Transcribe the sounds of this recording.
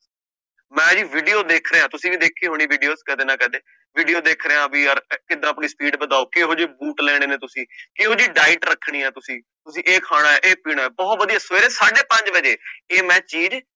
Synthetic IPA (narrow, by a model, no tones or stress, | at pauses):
mɛ̃ːd͡ʒiːʋiːɖijoːd̪eːkʰɾeːãːt̪ʊsĩːʋiːd̪eːkʰːeːɦoːɽ̃iːʋiːɖijoːskɛːd̪eːnãːkɛːd̪eː | ʋiːɖijoːd̪eːkʰɾeːãːbiːəɾkɪd̪ãːəpɳiːspiːɖbəd̪aːoːkeɦoːd͡ʒeːbuːʈlɛːɽ̃eːneːt̪ʊsĩːkeːɦoːd͡ʒiːɖaːɪʈɾəkʰːɽ̃iːɦɛːt̪ʊsĩː | t̪ʊsĩːʔeːkʰaːɽ̃aːɛːʔeːpiːɽ̃aːɛːbɔːt̪ʋəd̪ijaːsʋeːɾeːsaːɖeːpə̃ɲd͡ʒʋəd͡ʒeːeːmɛ̃ːt͡ʃiːd͡ʒ